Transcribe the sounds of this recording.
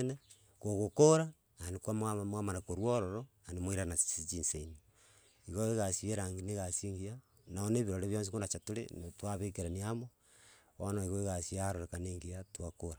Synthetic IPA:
ne | koɣokoɾa | anikwamamwamanakoɾwoɾoɾo | animoiɾanḁsit͡ʃinseino | iɣoeɣasieɾaŋɡineɣasiŋɡia | naoneːβiɾoɾeβjons̬ikonat͡ʃatulḛntwaβekeɾaniamo | o̰naiɣoiɣasiaɾoɾekaneːŋɡiatwakoɾa

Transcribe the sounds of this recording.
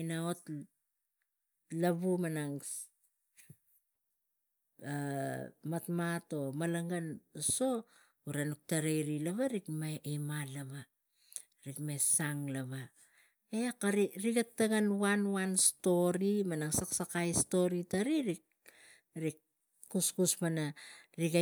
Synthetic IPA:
inaot | laβumanaŋ | amatmato̞malaŋɡanso̞ | uɾanuk̚taɾejɾilaβaɾikmamalama | ɾikmesaŋlaβa | ekaɾiɾiɡatːaɡanwanwansto̞ɾimanaŋsaksakajsto̞ɾitaɾiɾik | ɾikː | uskusmanaɾiɡa

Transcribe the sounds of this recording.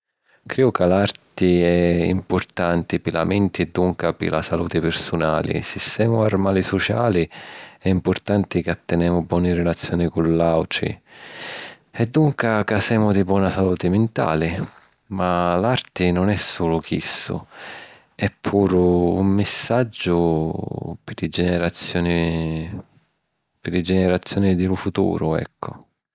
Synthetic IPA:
kɾiːʊkalaɾt̪ɪɛḭmpʊɾt̪ant̪ɪpɪla̰mint̪id̪ːuŋkapɪ̰la̰saluːt̪ɪpɪɾsuna̰ːlḭsist̪ɛːmʊaɾmaːlisɔt͡ʃa̰ːliɛimpʊɾt̪ant̪ɪkat̪ːɛnɛːmʊbwɔnirɛlat̪sːjɔːnikulːawʈɾḭ | ɛd̪ːuŋkakasɛːmʊd̪ibwɔnasaluːt̪ɪmɪnt̪a̰ːlɪ | malart̪ɪnʊnɛsːuːlʊkʰḭsːʊ̰ | ɛpʰːuːɾṵmːɪsːad͡ʒːʊ | pɪɾɪd͡ʒɛnɛɾat̪sːjɔːni | pɪlɪd͡ʒɛnɛɾat̪sːjɔːnid̪ɪlʊfut̪ṵːɾʊɛ̰kʰːʊ̰

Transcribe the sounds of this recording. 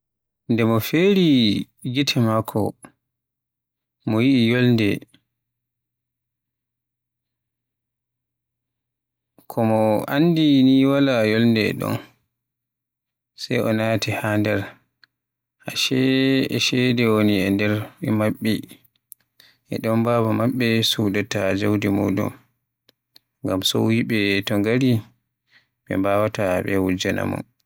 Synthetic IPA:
ndɛmɔfeɾi | ɡitʰɛmakʰɔ̰ | mɔjiʔːjolndɛ | kʰɔmɔa̰ndiniwalajɔlndɛɛ̰ɗɔ̰n | sajʔɔnatihandɛɾ | ʔaʃɛɛʃɛdɛwoniɛndɛɾɛmaɓːɛ | ʔɛ̰ɗɔmbaːbamaɓːɛsudatad͡ʒawdimɔ̰dɔ̰m | ŋɡamsɔwwiɓɛtɔŋɡaɾi | ɓɛ̰mbaːwataɓɛwud͡ʒana̰mɔ̰n

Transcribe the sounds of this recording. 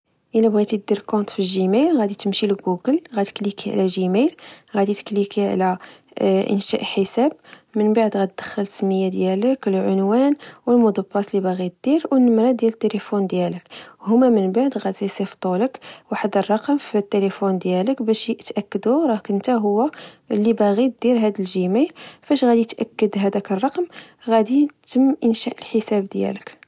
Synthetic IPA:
ʔəlæbɣit̪id̪iɾkɔ̃nt̪filʒimæjlɣæd̪it̪əmʃilɡuɡəlɣæt̪ə̥klikiʕ̰læʒimæjlɣæd̪it̪ə̥klikiʕ̰læ | ʔə̰nʃæ̰ʔħəsæb̚ | mənbaʕd̪ɣæt̪d̪̥ə̥xːəlsəmːəjːad̪jæləkəlʕʊnwænwəlmʊd̪ɑbːɑslibæɣit̪̚d̪̥iɾwnːəmɾæd̪jælət̪ːeləfund̪jæləkhʊmæmənbaʕd̪ɣæd̪zæjsift̪ˤuləkwaħəd̪ərˤːɑqəmfit̪ːeləfund̪jæləkbæʃt̪ʔækːəd̪uɾˤɑkənt̪æɦʊwːæ | lːibæɣit̪̚d̪iɾɦæd̪əlʒimilfæʃɣæd̪it̪ʔækːəd̪ɦæd̪ækərˤːɑqm | ɣæd̪it̪əmːʔənʃæʔəlħəsæbd̪jæ̰lək

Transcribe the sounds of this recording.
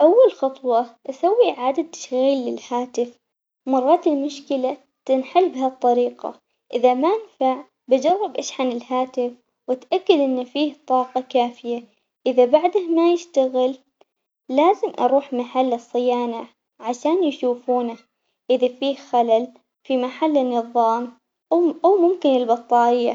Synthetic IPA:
ʔawːalxɑt̪ˤwɑʔasawːiʕaːd̪ad̪̚t̪ːḁʃɣiːlːɪlhaːt̪ɪf | mɑrˤːɑːt̪ɪlmʊʃkɪla | t̪ɪnħɪlbhat̪ˤːɑɾiːqɑ̰ | ʔɪðamaʔɪnfaʕ | bad͡ʒɑrˤːɑbʔaːʃʕanɪlhaːt̪ɪf | wɪt̪ʔakːad̪ʔɪnːfiːht̪ˤɑːqɑkaːfɪja | ʔɪðabaʕd̪ahmajɪʃt̪aɣɪlː | aːzɪmʔɑ̰ɾˤuːħmaħalːɨsˤːɨjaːna | ʕaʃaːnjʃuːfuːna | ʔɪðafiːhxalal | fimaħalːnːɨðˤɑːm | ʔawmʊmkɪnɪlbɑt̪ˤːɑːʔɪjːa̰

